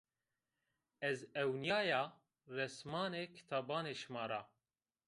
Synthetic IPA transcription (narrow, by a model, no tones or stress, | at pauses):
ɛzɛwnjaːjaː | rɛsmɑːneːkʰi̥t̪ʰaːbɑːneːʃmɑːɾaː